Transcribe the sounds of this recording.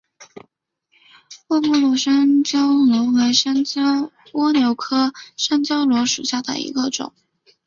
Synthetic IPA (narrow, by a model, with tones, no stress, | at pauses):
wɔ˥˧mɔ˥˩lwɔ˥˩ʂa˥nt͡ɕjɑ˥ʊlwɔ˧˥we˧˥ɪʂa˥nt͡ɕɑ˥ | wɔ˥njo˧˥ʊkʰɤ˥ʂa˥nt͡ɕjɑ˥ʊlwɔ˧˥ʂu˨˩ɕja˥˩d̪ə̰˩ḭ˧˥ɡə˧ʈ͡ʂʊ̰˨˩˦ŋ